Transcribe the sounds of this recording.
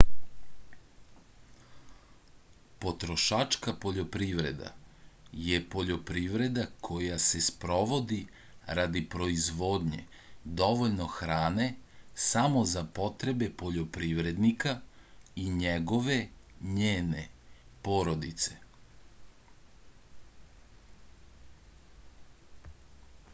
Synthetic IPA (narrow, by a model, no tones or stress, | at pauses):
po̞t̪ɾo̞ʃat͡ʃkapo̞ʎo̞pɾiʋɾe̞̰d̪a̰jepo̞ʎo̞pɾiʋɾe̞d̪akʰo̞jase̞spɾo̞ʋo̞d̪i | ɾad̪ipɾo̞izʋoːd̪ɲe̞̰ | d̪o̞ʋoʎno̞xɾaːne̞samo̞zapo̞t̪ɾe̞be̞po̞ʎopɾiʋɾe̞d̪nikaiɲeɡo̞ʋe̞ | ɲeːnepoːɾo̞d̪it̪se̞